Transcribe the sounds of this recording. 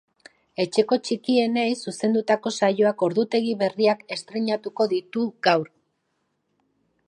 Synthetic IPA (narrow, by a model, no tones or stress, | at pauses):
e̞t͡ʃe̞ko̞t͡ʃikie̞ne̞jsuse̞nd̪ut̪ako̞sajo̞ako̞ɾðut̪e̞ɣ̞iβe̞riake̞st̪ɾeɲat̪uko̞ðit̪uɣawɾ